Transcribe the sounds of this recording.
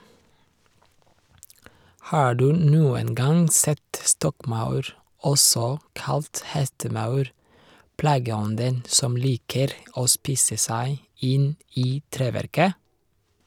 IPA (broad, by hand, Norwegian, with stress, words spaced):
ˈhɑː ˈɖʉː ˈnuːən ˈɡɑŋ ˈsɛt ˈstɔkˌmɑʉɾ ˈɔsɔ ˈkɑlt ˈhɛstəˌmɑʉɾ ˈplɑːɡəˌɔndən ˈsɔm ˈliːkəɾ ˈoː ˈspiːsə ˈsæɪ ˈɪn ˈiː ˈtɾeːˌʋæɾkə